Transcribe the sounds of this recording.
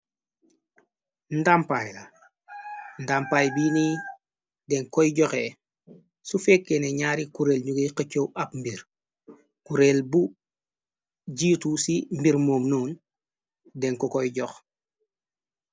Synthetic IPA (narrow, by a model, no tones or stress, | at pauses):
ndampajla̰ | ndampajbiːni | dɛŋkɔjɟɔxɛ | sufɛkːeneɲaːɾikuɾelɲuɡejkəcːowɐpmbiɾ | kuɾelbu | ɟiːtusimbiɾmoːmnuːn | dɛŋkɔkɔjɟɔx